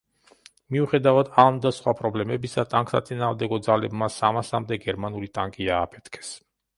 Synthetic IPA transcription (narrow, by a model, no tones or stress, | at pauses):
miuχɛd̪avad̪amd̪asχwapʼɾɔblɛmɛbisat̪ʼaŋkʼsa̰t̪sʼinaːʁmd̪ɛɡɔd̪zalɛbmasamasamd̪ɛɡɛɾmanulit̪ʼaŋkʼiaːpʰɛ̥t̪ʰkʰɛ̥s